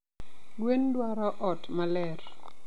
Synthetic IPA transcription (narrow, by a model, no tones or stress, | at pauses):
ɡwendwaɾɔʔɔtmalɛr